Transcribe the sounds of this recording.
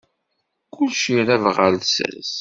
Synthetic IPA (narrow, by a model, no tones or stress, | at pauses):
kʰʊlʃiɾævʁəɾsɾs